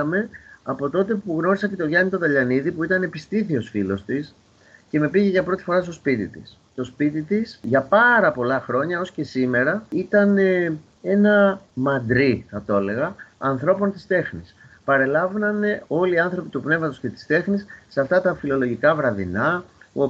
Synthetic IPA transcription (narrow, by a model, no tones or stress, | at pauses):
ɐme̞ɐpo̞t̪o̞t̪e̞puɣno̞ɾisɐce̞t̪oʝɐnit̪o̞ðɐʎɐniðipuit̪ɐne̞pist̪iθio̞sfilo̞st̪is | ce̞me̞piʝe̞ʝɐpɾo̞t̪i̥fo̞ɾɐst̪o̞spit̪ḭt̪ḭs | t̪o̞spit̪it̪isʝɐpɐɾɐpo̞lɐxɾo̞ɲɐo̞sce̞sime̞ɾɐit̪ɐne | e̞nɐmɐnd̪ɾiθɐt̪o̞le̞ɣɐɐnθɾo̞po̞nt̪i̥st̪e̞xnis | pɐɾe̞lɐvnɐne̞o̞liːɐnθɾo̞pit̪upne̞vmɐt̪osce̞t̪i̥st̪e̞xnisːeɐft̪ɐt̪ɐfilo̞lo̞ʝikɐvɾɐðḭnɐo